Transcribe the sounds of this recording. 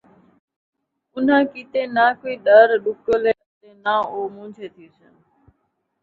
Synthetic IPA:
ʊn̤ãːkiːt̪eːnãːkoiːɗəɾɗʊkəleːət̪eːnãːoːmũːd͡ʒʱeːt̪ʰiːsən

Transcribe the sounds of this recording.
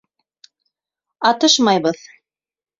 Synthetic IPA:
ɑt̪ɤʃmɑjβɤð

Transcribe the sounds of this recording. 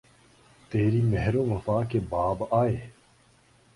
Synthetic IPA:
t̪eːɾiːmɛɦɾoːʋɐfaːkebaːbaːeː

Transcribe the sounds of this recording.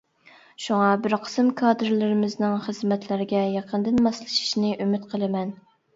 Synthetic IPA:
ʃuŋɑbɪɾqʰə̥sɨmkʰɑːd̪ɨɾlɪɾɪmɪznɪŋχəzmɛt̪ʰlɪɾɪɡʲɛjɑqʰənd̪ɨnmɑslˠɨʃi̥ʃnɨʔymyt̪qʰəlˠɨmɛn

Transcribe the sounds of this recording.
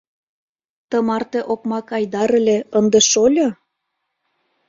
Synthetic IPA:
t̪əmɑrt̪eʔokmɑkɑjd̪ɑɾə̆lʲeənd̪eʃolʲo

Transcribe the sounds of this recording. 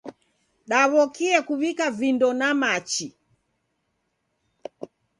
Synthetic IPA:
ɗaβɔkiɛkuβikavindɔnamat͡ʃi

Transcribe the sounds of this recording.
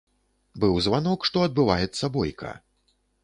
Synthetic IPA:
bɨwzvanɔkʂt̪ɔɐd̪̚bɨvajɛt̪sːɐbɔjkɐ̰

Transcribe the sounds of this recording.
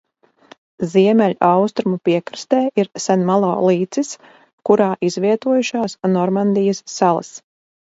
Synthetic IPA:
ziɛmʲɛlʲʔawst̪ɾumupiɛkɾst̪eːʔiɾsanmalˠo̰ːlˠiːt̪sis | kuɾaːʔizviɛt̪uɔjuʃaːsnɔɾmand̪ijɐsːalˠa̰s

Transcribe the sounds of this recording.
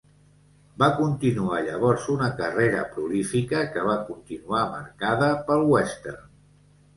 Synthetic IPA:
bakunt̪inuaʎə̰β̞ɔɾzunəkəreɾə̰pɾulifikəkəβ̞akunt̪inuaməɾkaðəpəlˠwɛst̪ɛ̰r

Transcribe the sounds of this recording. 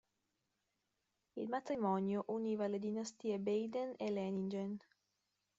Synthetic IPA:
ilmat̪ɾimɔnjoʔuniːvaled̪inast̪iːebejd̪enelɛnind͡ʒen

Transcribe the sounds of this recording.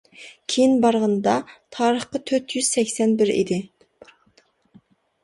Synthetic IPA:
kʲʰejinbɑɾʁənd̪ɑt̪ʰɑːɾəχqɑt̪ʰøɾt̪ʰjyz̥sɛkʲsɛnbɪɾḭd̪ɪ̥

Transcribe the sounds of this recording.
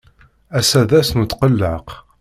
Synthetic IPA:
æsæðæsnut̪ːqəlːəq

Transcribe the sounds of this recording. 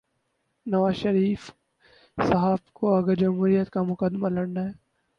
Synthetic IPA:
nɐʋaːzʃɐɾiːf | sɐɦaːbkoɐɡəɾd͡ʒɐmɦuːɾijət̪kamʊkəd̪malɐɽnaɦɛː

